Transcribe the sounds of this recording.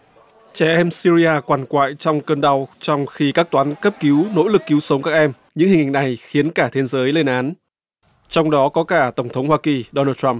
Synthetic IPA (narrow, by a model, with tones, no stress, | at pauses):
t͡ɕɛ˧˩ʔɛ˧msi˧ɾi˧aː˧kwaː˨˩nkwa̰ː˧˨jt͡ɕɔ˧wŋ͡mkəː˧nɗa˧˩wt͡ɕɔ˧wŋ͡mxi˧kaː˦˥k̚t̪waː˨˦nkə˦˥p̚ki˨˦wno̰˧˥lɨ˨˩kːi˨˦wsə˨˦wŋ͡mkaː˦˥k̚ʔɛ˧m | ɲɨ̰˧˥ŋhï˨˩ŋha̰˨˩ŋ̟na˨˩jxi˨˦ənkaː˧˩t̪ʰe˨˦zəː˨˦jle˧nʔaː˨˦n | t͡ɕɔ˧wŋ͡mɗɔ˨˦kɔ˨˦kaː˧˩t̪ə˧˩wŋ͡mt̪ʰə˨˦wŋ͡mhwaː˧ki˨˩ɗo˧naː˧tt͡ɕa˧m